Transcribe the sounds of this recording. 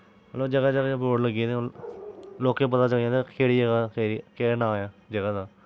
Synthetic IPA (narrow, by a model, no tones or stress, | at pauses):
əloːd͡ʒəɡaːd͡ʒəɡãːpoːʈləɡene | loːkːẽːpət̪aːt͡ʃəɡãːt̪akʰeːɽiːd͡ʒəɡaːkʰeːɾikeːnaːjãːd͡ʒəɡaːd̪aː